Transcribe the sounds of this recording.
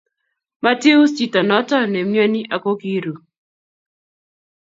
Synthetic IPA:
ma˦ti˦u˦st͡ʃi˦˨ta˨nɔ˨˦tɔ˦ne˨m˦a˦ni˦ʔa˨ko˦ki˦ɾu˨

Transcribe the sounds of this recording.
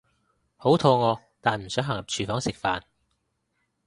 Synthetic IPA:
ho˨˥wt̪ʰɔː˧ŋɔː˨˧ | t̪aː˨nm̩˨˩sœː˨˥ŋɦa˨˩ŋɐ˨p̚t͡ʃʰyː˨˩fɔː˨˥ŋsɪ˨k̚faː˨n

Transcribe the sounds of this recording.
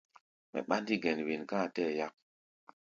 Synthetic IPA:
mɛ̰˨ɓa˦ndi˦ɡe˨nwi˨nkãː˦˨tɛ˦˨ja˦k̚

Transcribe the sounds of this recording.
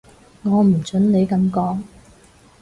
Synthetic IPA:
ŋɔː˨˧m̩˨˩t͡sɵ˨˥nne˨˧jkɐ˨˧mkɔː˨˥ŋ

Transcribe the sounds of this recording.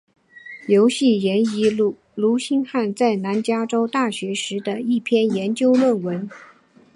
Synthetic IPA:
jo˧˥ʊɕi˥˩jɛ˧˥ni˧˥ | lu˧˥ɕi˥nxa˥˧nt͡sa˥˩ɪna˧˥nt͡ɕja˥ʈ͡ʂo˥ʊt̪a˥˩ɕɥɛ˧˥ʂɻ̩˧˥d̪ə˧i˥˩pʰjɛ˥˩njɛ˧˥nt͡ɕjo˥ʊlwə˥˩nwə˧˥n

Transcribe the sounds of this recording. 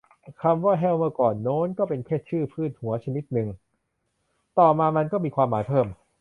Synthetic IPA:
kʰa˧mwaː˥˩ɦɛː˥˩wmɯ˥˩ɐkɔː˨˩nːoː˦˥nkɔː˥˩pe˧nkʰɛː˥˩t̪̚t͡ɕʰɯː˥˩pʰɯː˥˩t̪̚hu˩˦ɐt͡ɕʰa˧ni˦˥t̪̚nɯ˨˧ŋ | t̪ɔː˨˩maː˧ma˧nkɔː˥˩miː˧kʰwaː˧mːaː˩˦jpʰɤː˥˩m

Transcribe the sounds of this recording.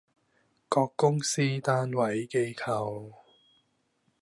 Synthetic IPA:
kɔː˧kːʊ˥ŋsiː˥t̪aː˥nwɐ˨˦jke˧jkʰɐ˧ww

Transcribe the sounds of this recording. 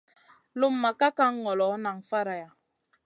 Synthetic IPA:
lu˦mːa˨ka˦ka˦ŋː˦ɔ˨lɔ˨˦na˨ŋ̩˨fa˦ɾa˨ja˨

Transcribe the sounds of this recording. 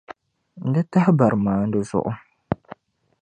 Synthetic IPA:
n̩˨dɨ˦ta˦hɪ˦ba˨ɾmaː˨˦n̩˦dɨ˦zʊ̰˦ʔʊ˦

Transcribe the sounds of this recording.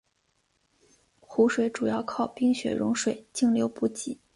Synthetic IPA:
xu˧˥ʂwe˨˧˥ɪʈ͡ʂu˨˩jɑ˥˧ʊkʰɑ˥˩ʊpi˥˧ŋɕɥɛ̰˨˩ɻʊ̰˧˥ŋʂwe˨˩ɪt͡ɕi˥˩ŋljo˧˥ʊpu˧˥t͡ɕi˨˧˩

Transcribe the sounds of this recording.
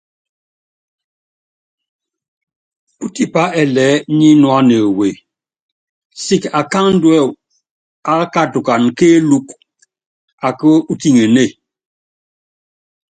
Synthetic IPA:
u˦ti˦pa˦ɛ˨lɛ˨˦ɲi˦nwa˦ne˨we˨ | si˦ka˨ka˦ŋn̩˦dwɛ˦˨w | a˨˦ka˦tu˨ka˨nke˦lu˦k | a˨kə˦u˦ti˦ŋe˨ne˦˨

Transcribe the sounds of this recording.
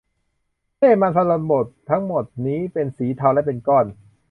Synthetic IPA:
leː˥˩maː˧nt̪ʰa˧lo˨˧˩nbo˨˩t̪ʰːa˦˥ŋmo˨˩t̪̚niː˦˥pe˧nsiː˩˦t̪ʰa˧wlɛ˦˥˩pe˧nkɔː˥˩n

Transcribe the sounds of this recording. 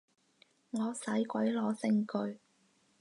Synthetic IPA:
ŋɔː˨˧sɐ˨˥jkʷɐ˨˥jlɔː˨˧sɪ˧ŋkɵ˨˧ɥ

